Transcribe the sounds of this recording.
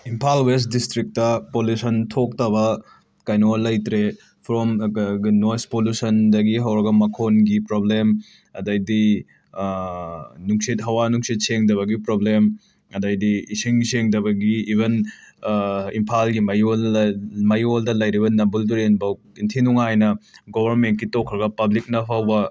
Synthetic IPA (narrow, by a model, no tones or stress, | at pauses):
impʰalwestdistɾik̚tɐpolusɐntʰok̚tɐβɐ | kajnolɐjtɾe | pʰɾomɡnojspolusɐndɐɡiɦɐwɾɐɡɐmɐkʰonɡipɾoblem | ɐdɐjdi | nuŋsit̚ɦɐwanuŋsit̚seŋdɐβɐɡipɾoblem | ɐdɐjdiːsiŋseŋdɐβɐɡiːbʱen | impʰalɡimɐj | mɐjoldɐlɐjɾibɐnɐmbulduɾenbɐ | intʰinuŋajnɐɡobʱɐɾment̚kitokʰɾɐɡɐpɐblik̚nɐpʰɐwbɐ